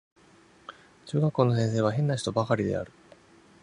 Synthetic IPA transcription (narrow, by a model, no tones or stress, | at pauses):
t͡ɕɨːɡakːo̞ːno̞s̬ẽ̞ɰ̃s̬e̞ːβaɦẽ̞nːaçi̥t̪o̞bakaɾʲid̪e̞̰a̰ɾɯ̟̥